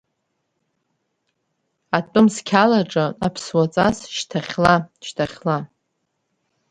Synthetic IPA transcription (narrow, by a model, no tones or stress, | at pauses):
atʼʊmskʲʰalaʈ͡ʂʼɨapʰswat͡sʼasʃtʰaχʲlaʃtʰaχʲla